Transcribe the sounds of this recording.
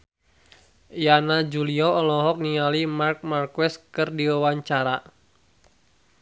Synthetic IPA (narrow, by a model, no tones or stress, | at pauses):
janad͡ʒuliɔɔlɔɦɔk̚nialimark̚markwɛskɨrdiwawaɲt͡ʃaɾa